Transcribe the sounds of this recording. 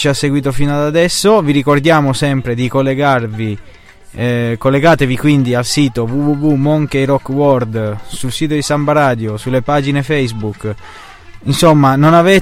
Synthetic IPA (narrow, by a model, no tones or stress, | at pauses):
t͡ʃiasːeɡwiːt̪ofinad̪ad̪ɛsːoviɾikord̪jaːmosɛmpɾed̪ikolːeɡarvi | kolːeɡaːt̪evikwind̪ialsiːt̪ovuvuvumɔŋkeiɾɔkːwɔrd̪sulsiːt̪od̪isambaɾaːd̪josulːepad͡ʒinefɛjsbuk | insomːanonavɛ